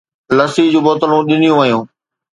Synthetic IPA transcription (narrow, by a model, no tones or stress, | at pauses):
lɐsiːd͡ʑũːɓɔːt̪əlũɗɪnɪjũʋɐjũː